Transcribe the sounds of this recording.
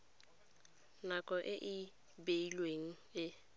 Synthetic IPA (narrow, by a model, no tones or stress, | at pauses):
nakʼɔʔɪʔɪ | beilweŋ̩ | ɪ